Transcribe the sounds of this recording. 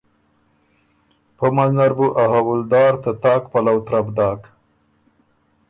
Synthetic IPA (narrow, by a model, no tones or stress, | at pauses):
pəmaznaɾbuʔaɦawʊld̪ɑːɾt̪at̪ɑːkpalawt̪ɾabd̪ɑːk